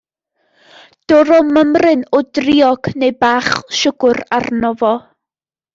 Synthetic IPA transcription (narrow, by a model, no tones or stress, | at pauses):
d̥ɔɾɔməmrɨnɔdriɪɔɡ̥nejbaːχʃʊɡ̥ʊrarnɔvɔ